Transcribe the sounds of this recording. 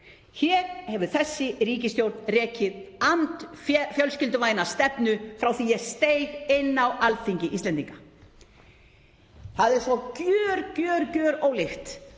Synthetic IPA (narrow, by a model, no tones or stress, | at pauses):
çɛːɾhɛvʏ̥θɛsːɪɾiːcɪst̪jowɾt̪nrɛːcɪðant̪fjœlscɪlt̪ʏvaːjnḁst̪ɛpnʏfɾawθijɛɣst̪ejɣɪnːawalθiɲcɪʔist̪lɛnt̪iŋka | θaðɛɾ̥sɔcœːɾcœːɾcœːɾoːwlɪxt̪